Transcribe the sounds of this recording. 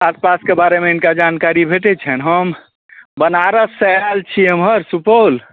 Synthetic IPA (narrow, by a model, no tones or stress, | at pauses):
aspaskebaɾemeinkad͡ʒankaɾibʱeʈɛt͡ʃʰənɦəm | bənaɾəsəalt͡ʃʰiɦəmɦəɾsupəl